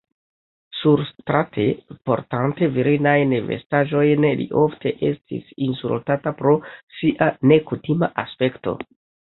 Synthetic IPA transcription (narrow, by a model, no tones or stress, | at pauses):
suɾstɾatʰe̞po̞̰ɾtante̞viɾinajnve̞̰staʒo̞jnlḭʔo̞ftʰe̞ʔe̞stḭsinsṵltatapɾo̞siʔane̞kutimaʔaspe̞kto̞̰